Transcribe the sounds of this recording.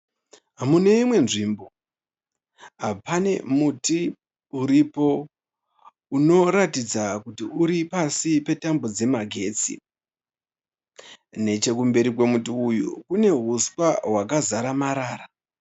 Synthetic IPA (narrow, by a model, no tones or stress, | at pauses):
ɦamune̞imwe̞nʐimbo̞ | ɦapane̞̰muti | uɾipo̞ | uno̞ɾatid͡zakutiuɾipasipe̞tambod͡ze̞maɡʱe̞ːt͡sḭ | ne̞t͡ʃe̞k̬umbe̞ɾik̬we̞mutiːjṵkune̞ɦuswawakazaɾamaɾaːra